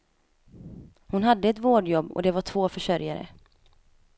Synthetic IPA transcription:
hʊnɦad̪ːəɛt̪voːɖjɔbːɔ̰d̪ɛvaʈʰv̥oːfœʂœɾja̰ɾə̰

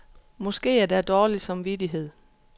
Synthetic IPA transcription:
mɔ̽sɡ̥e̝̰ːæɐd̥æd̥ɒːli̥sɑ̈mʋid̥iɦe̝ð̰ˠ

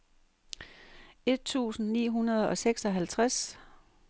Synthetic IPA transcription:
e̝d̥̚t͡sʰṵːsn̩nḭːɦunɐð̞ˠɒ̽seɡ̥sɒ̽ɦælt͡sʰʁas

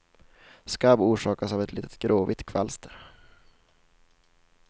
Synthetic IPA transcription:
skabuːʂɑːkasavɛt̪liːt̪ə̥t̪ɡɾoːvɪt̪kʰva̰lst̪əɾ

